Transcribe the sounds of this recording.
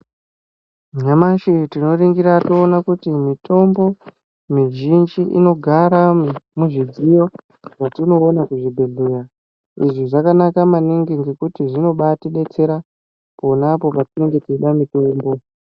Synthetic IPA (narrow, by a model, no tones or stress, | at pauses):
ɲamaʃitino̞riŋɡiɾatoːnakutimito̞mbo̞ | miʒind͡ʒiʔḭno̞ɡʱaɾamuʐid͡zijo̞ | ʐ̥atino̞ːnakuʐibʱeɮuja | iʐiʐakanakamaniŋɡiŋɡe̞kutiʐino̞ɓatiɗe̞t͡se̞ɾa | ponapo̞patineŋɡe̞tiɗamito̞ːmbo̞